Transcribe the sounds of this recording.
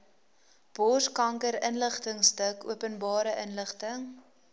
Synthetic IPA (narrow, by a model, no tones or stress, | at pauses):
b̥ɔskɐŋkəɾənləχtəŋstəkṵəpənbɑːɾəʔənləχtəŋ